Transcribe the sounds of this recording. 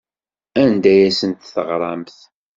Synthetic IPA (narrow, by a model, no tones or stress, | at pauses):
ænd̪æjæsənt̪θəʁɾˤɑmθ